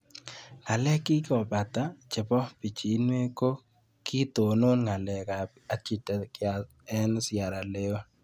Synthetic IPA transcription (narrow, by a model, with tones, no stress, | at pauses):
ŋa˨lɛ˦kɪ˦kɔ˨ba˨t̪a˦t͡ʃɪ˨bɔ˦pi˨t͡ʃi˨˦nwe˦ko˦ | ki˦t̪o˨no˦nŋa˨lɛ˨ka˨ | a˨t͡ʃi˨tɛ˨kɪ˦a˨ | ɛ˦n˦sɪa˨ɾa˨le˦o˦